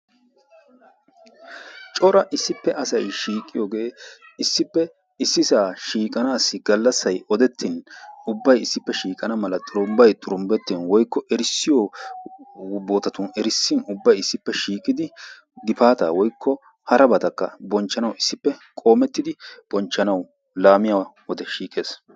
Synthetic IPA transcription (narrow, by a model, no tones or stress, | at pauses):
t͡ʃʼɔɾɐʔɪsːɪpːɛɐsɐjʃiːkʼːɪjoːɡe̞ːɪsːɪpːɛ | ɪsːɪsaːʃiːkʼɐnaːsːɪɡɐlːɐsːɐjɔd̪ɛt̪ʰːɪnʊbːɐjɪsːɪpːɛʃiːkʼɐnɐmɐlɐt̪ʼʊɾʊmbɐjt̪ʼʊɾʊmbɛt̪ːɪnwɔjkːɔʔɛɾɪsːɪjo | bo̞ːt̪ɐt̪ʊnɛɾɪsːɪnʊbːɐjɪsːɪpːɛʃiːkʼːɪd̪ɪ | d̪ɪpaːt̪a̰ːwɔjkːɔ | hɐɾɐbɐt̪ɐkːɐ̰bɔnt͡ʃːɐnɐwɪsːɪpːɛkʼo̞ːmɛt̪ːɪd̪ɪb̥ɔnt͡ʃːɐnɐw | laːmɪjawwɔd̪ɛʃiːkʼe̞ːs